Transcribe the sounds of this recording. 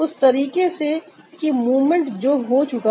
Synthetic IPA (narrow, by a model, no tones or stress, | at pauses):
ʊst̪ɐɾiːkese | kimuːʋmə̃ɳʈd͡ʒoːɦot͡ʃʊka